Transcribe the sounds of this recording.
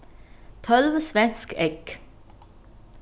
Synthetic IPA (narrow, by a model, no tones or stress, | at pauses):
t̪ʰɔlʋəsʋɛnskɛɡ